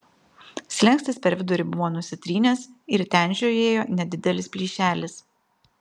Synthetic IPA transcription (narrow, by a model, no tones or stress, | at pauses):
sʲlʲɛŋʲksʲt̪ʲɪspʲɛɾʲʋʲɪd̪ʊɾʲɪbʊʋoːnʊsʲɪt̪ʲɾʲiːnʲɛsɪɾt̪ʲɛˑnʲʒʲoːeːjoːnʲɛd̪ʲɪd̪ʲɛlʲɪspʲlʲiːʃʲæːlʲɪs